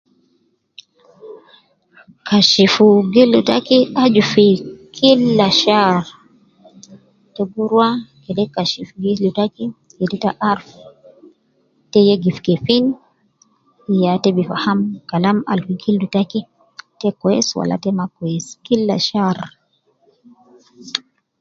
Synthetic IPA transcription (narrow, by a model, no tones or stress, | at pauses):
kaʃifuɡilːutakiad͡ʒufikʰilːaʃaɾ | tɛbuɾwakɛdɛkaʃifuɡilutaki | jɛditaʔaɾf | tɛjɛɡifkɛfin | ijatɛbifa̰hamkalama̰lfiɡildutaki | tɛkɔɛswa̰la̰tɛmakɔɛskilːa̰ʃaɾ